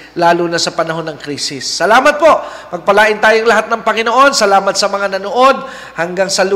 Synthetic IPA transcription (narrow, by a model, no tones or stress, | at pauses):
laːlunɐsɐpɐnɐɦo̞nːɐŋkɾiːsɪsːɐlaːmɐt̪̚po̞ʔpɐɡ̚pɐlaːʔɪnt̪aːjoŋlɐɦat̪̚nɐŋpɐŋɪno̞ʔo̞nsɐlaːmɐt̪̚sɐmɐŋanɐnoʔo̞d̪̚ | hɐŋɡaŋsɐlu